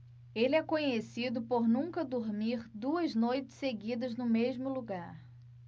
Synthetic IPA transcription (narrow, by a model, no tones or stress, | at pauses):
elɪɛkõɲesid̪ʊpoɾnũkɐd̪oɾmiɾd̪uɐznojt͡ʃɪ̥seɡid̪ɐznʊmeʒmʊluɡaɾ